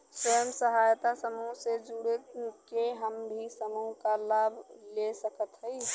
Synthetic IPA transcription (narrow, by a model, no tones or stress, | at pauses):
swəjəmsəɦajt̪asəmuɦsed͡ʒuɽətkeɦəmbʱisəmuɦkalabʱlesəkət̪ɦəj